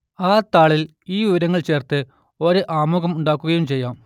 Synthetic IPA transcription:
aːt̪aːɭil | iːʋiʋɐɾɐŋːɐɭt͡ɕe̞ːrt̪ɨ | oɾɨʔaːmoːɣɐmuɳɖaːkːuɣɐjumt͡ɕe̞jːaːm

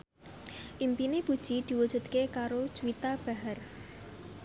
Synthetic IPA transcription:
ʔimpineb̥ud̥ʒ̥id̪̥i̤wu̥ʒ̥ṳd̪̚kekaɾot͡ʃuwit̪ab̥a̤ɦar

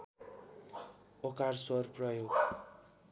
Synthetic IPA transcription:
okarsʌrprʌjoɡ

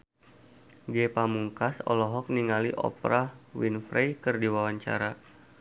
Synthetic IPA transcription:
ɡɛpamuŋkasɔ̰lɔɦɔk̚niŋaliʔɔ̰pɾawinfɾejkɨrdiwawaɲt͡ʃa̰ɾa

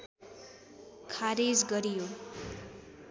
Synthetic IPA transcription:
kʰaɾed͡zɡʌɾijo

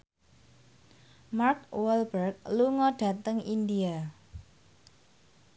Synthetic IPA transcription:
markwɛlbərk̚luŋɔɖ̥a̤t̪əŋindia

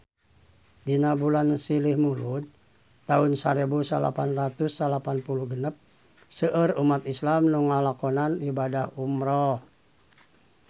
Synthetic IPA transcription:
dinabulansilihmulud̪ | t̪aunsaɾebusa̰la̰panrat̪usːalapanpuluhɡənəp̚ | səʔərumat̪islamnuŋalakɔnanibadahumɾɔ

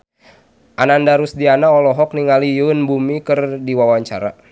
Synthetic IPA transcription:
ʔanandaɾusdianaɔlɔɦɔk̚niŋalijunbumikərdiwawaɲt͡ʃa̰ɾa̰

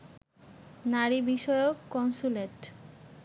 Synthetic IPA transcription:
naɾibiʃɔeokːɔnsuleʈ

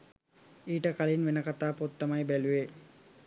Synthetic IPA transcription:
iːʈəkalinʋenəkat̪aːpot̪ːəmajbæluʋe

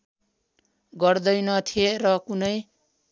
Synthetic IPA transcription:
ɡʌrd̪ʌjnʌt̪ʰierʌkunʌj

